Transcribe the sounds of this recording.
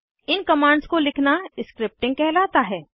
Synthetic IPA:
ɪnkɐmãːɳɖskolɪkʰnaɪskɾɪp̚ʈɪ̃ŋɡ̚kɛɦlaːt̪aɦɛː

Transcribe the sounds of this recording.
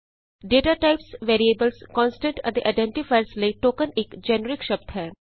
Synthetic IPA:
ɖeːʈaːʈaɪpsʋeːɾieːbəlskɔ̃ːnsɪ̥ʈeɖə̃d̪əʔaɪɖɛ̃ɳʈifaɪɾsleːʈoːkə̃nekd͡ʒɛːnəɾɪkʃɐb̚t̪ɦɛː

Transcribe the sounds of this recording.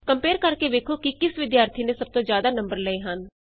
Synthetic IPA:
kəmpeːɾkəɾkeːʋeːkʰoːkɪkɪsʋɪd̪jaːɾt̪ʰiːnesəb̚t̪õːzjaːd̪aːnəmbəɾləeːɦən

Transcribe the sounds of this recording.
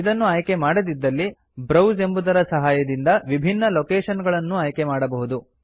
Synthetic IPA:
id̪ɐnːuaːjke̞maːɽɐd̪id̪ːɐlːi | bɾɐwze̞mbud̪ɐɾɐsɐɦaːjɐd̪ind̪ɐʋibʱinːɐloːkeːʃɐnɡɐɭɐnːuaːjkemaːɽɐbɐɦud̪u

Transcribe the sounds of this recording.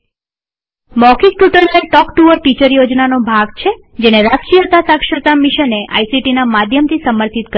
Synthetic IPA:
mɔkik̚ʈuʈəɾlaʈɔkʈuʋəɾʈit͡ʃəɾjod͡ʒnanobʱaɡt͡ʃʰed͡ʒeneɾaskijət̪asakʃət̪amiʃəneʔa̰jsiʈinamad̪ʱjəmt̪ʰisəməɾt̪ʰit̪kə

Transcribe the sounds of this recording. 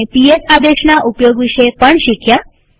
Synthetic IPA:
epiesad̪eʃnaʔupjoɡʋiʃəjpəɳʃikʰja

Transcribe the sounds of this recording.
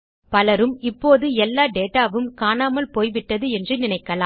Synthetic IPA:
pɐlɐɾɯmɪpːoːðɯɛlːaːɖeːʈaːʋɯmkaːnaːmɐlpoːjʋɪʈːɐðɯɛndrɯnɪnɐɪkːɐlaː

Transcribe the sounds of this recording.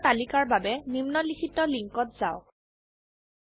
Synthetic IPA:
talikaɹbabɛnimnɔlikʰitɔliŋkɔtz̥aʊ

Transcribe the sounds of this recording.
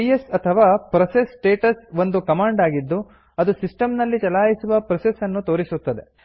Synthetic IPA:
ijesɐt̪ʰɐʋaːpɾɐsesːʈeːʈɐsʋo̞nd̪ukɐmaːɳɖaːɡid̪ːu | ɐd̪usisʈɐmnɐlːit͡ʃɐlaːjisuʋɐpɾɐsesɐnːut̪o̞ːɾisut̪ːɐd̪e̞

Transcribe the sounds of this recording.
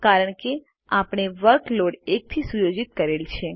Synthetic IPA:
kaɾəɳke | apɳ̃eʋəɾkloɽek̚t̪ʰisujod͡ʒit̪̚kəɾelt͡ʃʰe

